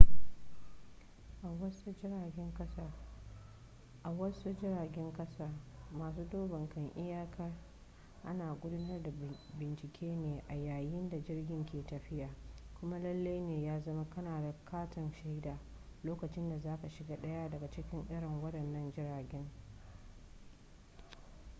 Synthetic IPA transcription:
ʔwɐ˦su˦˨ɡʲɛ˦ŋkɐ˦sa˦ | ʔa˨wɐ˦su˦d͡ʒɪ˦ɾaː˨ɡʲɛ˦ŋkɐ˦saː˦maː˨suː˦doː˦bɐ˨ŋkɐ˨ŋʔɪ˦jaː˦kʰa˦ | ʔa˦naː˨ɡʷʊ˦dʊ˦nɐ˦rda˨bɪ˨nt͡ʃɪ˨kʲeː˦neː˨ʔa˨jaː˨jɪ˦nda˨d͡ʒɪ˦rɡʲɪ˦ŋkʲeː˨tɐ˨ɸɪ˦jaː˨kʷʊ˦ma˦lɐ˦lːe˦jneː˨jaː˦zɐ˦ma˦kɐ˦naː˨da˨kʰaː˦tɐ˨nʃa˦i˦daː˨ | loː˦kɐ˨t͡ʃɪ˦nda˨zaː˦ka˨ʃɪ˨ɡaː˦ɗɐ˦ja˦dɐ˨ɡa˨t͡ʃɪ˦kʲɪ˦ŋʔɪ˦ɽɪ˨ŋwɐ˦ɗɐ˨nːɐ˦nd͡ʒɪ˦ɾaː˨ɡʲɛ˦ŋ

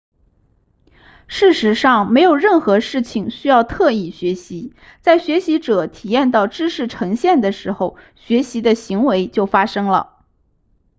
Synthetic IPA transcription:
ʂɻ̩˥˩ʂɻ̩˧˥ʂɑ˥˩ŋme˧˥ɪjo˨˩ʊɻə˥˩nxɤ˧˥ʂɻ̩˥˩t͡ɕʰi˨˩ŋɕy˥jɑ˥˧ʊt̪ʰɤ˥˧i˥˩ɕɥɛ˧˥ɕi˧˥ | t͡sa˥˩ɪɕɥɛ˧˥ɕi˧˥ʈ͡ʂɤ˨˩t̪ʰi˨˩jɛ˥˧nt̪ɑ˥˩ʊʈ͡ʂɻ̩˥ʂɻ̩˥˩ʈ͡ʂʰɤ˧˥ŋɕjɛ˥˩nd̪ə˩ʂɻ̩˧˥xo˧˩ʊ | ɕɥɛ˧˥ɕi˧˥d̪ə˧ɕi˧˥ŋwe˧˥ɪt͡ɕjo˥˩ʊfa˥ʂɤ˥ŋlə̰˨

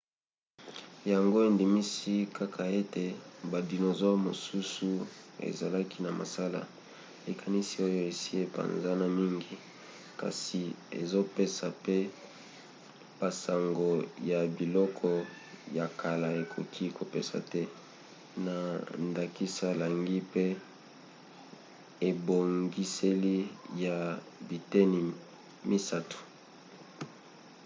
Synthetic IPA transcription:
ja˨ŋɡo˦e˨ndi˨mi˦si˦ka˦kʰa˨e˦te˨ba˨di˨no˨zo˦mo˨su˦su˦ḛ˨za˨la˦kʰi˦na˨ma̰˨sa˦la̰˨ | e˨kʰa˨ni˦si˦o˦jo˦e˨si˦e˦pa̰˨nza˦na˨mi˦ŋɡi˨ | ka̰˨si˨ | ḛ˨zo˦pe˦sa˨pe˦ | b̥a˨sa˨ŋɡo˨ja˨bi˨lɔ˦kʰɔ˨ | ja˨kʰa˨la˨e˨kʰo˨kʰi˦ko˨pe˦sa̰˨tɛ˦ | na˨nda˨ki˦sa˦˨la˨ŋɡi˦pe˦ | e˨bo˨ŋɡi˦se˦li˦ja˨ | bi˨te˦ni˨ | mi˦sa˦tu̥˨

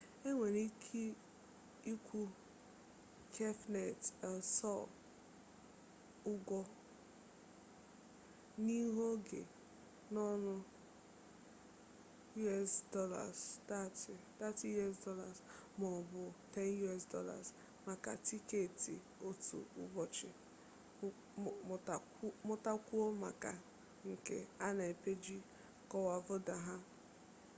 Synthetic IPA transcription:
e˦ŋʷe˨ɾi˦kʰi˦ | i˦kʰʷu˦ | kʰe˦fnɛ˨tɛ˨lsɔ˦˨l | ʊ˦ɡʷɔ˦ | ni˦ɦo˦ɡḛ˨ | nɔ˦nʊ˦ | ju˦ɛ˦sdɔ˦la̰˨sa˦tta˦ti˦jɛ˦sdɔ˦la˨zmɔ˨bʊ˨tɛ˦nju˦ɛ˦˨sdɔ̰˦la̰˨z | ma˨ka̰˨ti˦ke˨tḭ˨ | o˦tṵ˨ʊ̰˦bɔ˨t͡ʃɪ˨ | mʊ˦ta˦kʷu˦o˦ma̰˨ka̰˨ | ŋ̩˨kḛ˨a˦na˨e˨pe˦d͡ʒi˦ | kɔ˦wa˨vʊ˦da˨ɦa˦

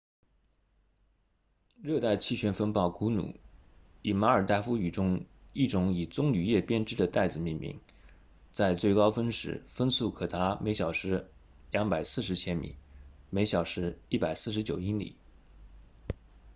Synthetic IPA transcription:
ɻɤ˥˧t̪a˥˧ɪt͡ɕʰi˥˩ɕɥɛ˧˥nfə˥npɑ˥˩ʊku˧˥nṵ˨˩˦i˨˩ma˧˥ə˞˨˩t̪a˥˩ɪfu˥y˨˩ʈ͡ʂʊ˥ŋi˥˩ʈ͡ʂʊ˧˥ŋi˨˩t͡sʊ˥ŋny˨˩jɛ˥˩pjɛ˥nʈ͡ʂɻ̩˥˩d̪ə˨t̪a˥˩ɪd͡zɹ̩˨˩mi˥˩nmḭ˧˥˦ŋ | t͡sa˥˧ɪt͡swe˥˩ɪkɑ˥ʊfə˥nʂɻ̩̰˧˥fə˥nsu˥˩kʰɤ˨˩t̪ʰa˧˥me˧˥ɪɕjɑ˨˩ʊʂɻ̩˧˥ | ljɑ˧˥ŋpa˨˩ɪsɹ̩˥˩ʂɻ̩˧˥t͡ɕʰjɛ˥nmḭ˨˩˦n | me˧˥ɪɕjɑ˨˩ʊʂɻ̩˧˥i˥˩pa˨˩ɪsɹ̩˥˩ʂ̬ɻ̩˧˥t͡ɕjo˨˩ʊi˥nlḭ˨˩˦

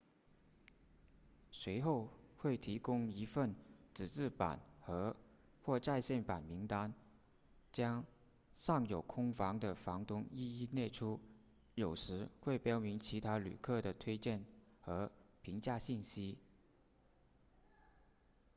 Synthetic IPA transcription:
swe˧˥ɪxo˥˧ʊxwe˥˩ɪt̪ʰi˧˥kʊ˥ŋi˧˥fə˥˩nʈ͡ʂɻ̩˨˩ʈ͡ʂɻ̩˥˩pa̰˨˩˦nxɤ˧˥ | xwɔ˥˧ʈ͡ʂa˥˧ɪɕjɛ˥˩npa˨˩nmi˧˥ŋt̪a˥n | t͡ɕjɑ˥ŋ | ʂɑ˥˩ŋjo˨˩ʊkʰʊ˥ŋfɑ˧˥ŋd̪ə˨fɑ˧˥ŋt̪ʊ˧˥ŋi˥˧i˥˧nɛ˥˩ʈ͡ʂʰu˥ | jo˨˩ʊʂɻ̩˧˥xwe˥˩ɪpjɑ˥ʊmi˧˥ŋt͡ɕʰi˧˥t̪ʰa˥ly̰˨˩kʰɤ˥˩d̪ə˩t̪ʰwe˥ɪt͡ɕjɛ˥˩nxɤ˧˥pʰi˧˥ŋt͡ɕja˥˧ɕi˥˩nɕi˥

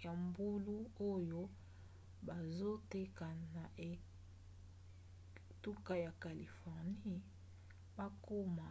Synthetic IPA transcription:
ja˨mbu˦lu˦o˦jo˦ | ba˨zo˦te˦ka˨na˨ʔe˨ | tu˦ka˦ja˨ka˨li˨fɔ˨ʁni˦ | ba˦ko˦ma˨

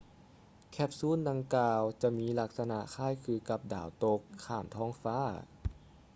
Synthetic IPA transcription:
kʰɛ˧˥p̚suː˧˥˨nda˧ŋkaː˧wt͡ɕa˧ʔmiː˧˥˨la˧k̚sa˧na˧ʔkʰaː˥˨jkʰɯː˧ka˧p̚da̰ː˨˩wt̪o˧kʰːaː˧˩nt̪ʰɔː˧˥˨ŋfaː˧˥˨

